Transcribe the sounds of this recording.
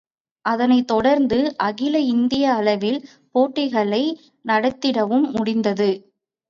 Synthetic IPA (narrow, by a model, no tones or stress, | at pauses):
ʔɐðɐnɐɪt̪ːɔɽɐɾnd̪ɯʔɐɣɪlɐɪnd̪ɪjɐːlɐʋɪl | poːʈːɪɣɐɭɐɪ | nɐɽɐt̪ːɪɽɐʋɯmːʊɽɪnd̪ɐðɯ